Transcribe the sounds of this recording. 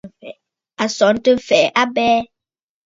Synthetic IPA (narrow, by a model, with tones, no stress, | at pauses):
fɛ̰˨ | a˨sɔ˨˦n˦tɨ˦m̩˦˨fɛ˨ʔa˦bɛː˦